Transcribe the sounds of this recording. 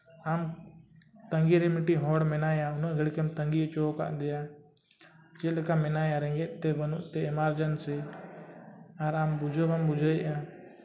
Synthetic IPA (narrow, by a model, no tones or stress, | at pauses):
am | t̪əŋɡiɾɛmiʈiɦɔɽmɛnajaunɔʔɡɛɽkɛmt̪əŋɡit͡ʃɔka̰ʔd̪ɛja | t͡ʃɛlkamɛnajaɾɛ̃ŋɡɛʔt̪ɛbənuʔt̪ɛɛmaɾd͡ʒənsɛ | aɾambud͡ʒəbambud͡ʒʱəʔã